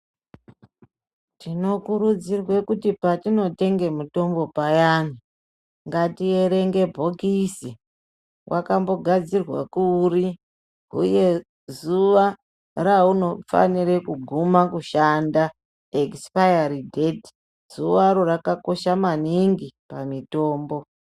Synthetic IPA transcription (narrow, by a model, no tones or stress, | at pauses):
tino̞kuɾud͡zirwe̞kutipatino̞te̞ŋɡe̞muto̞mbo̞pajan̤i | ŋɡatieɾe̞ŋɡe̞bʱo̞kisi | wʔakambo̞ɡʱad͡zirwa̰kuri | ṵje̞ | zuʋa | rauno̞fa̰niɾekuɡʱumakuʃanda | ekspajaridʱeti̥ | z̥uʋaɾorakako̞ʃamaniŋɡipamito̞ːmbo̞